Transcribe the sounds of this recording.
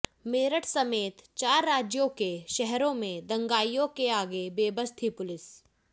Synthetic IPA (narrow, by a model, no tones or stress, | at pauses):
meːɾəʈʰsɐmeːt̪t͡ʃaːɾːaːd͡ʒjokeʃɛɦɾõmẽd̪ɐ̃ŋɡaːijõkeaːɡebeːbəst̪ʰipʊlɪs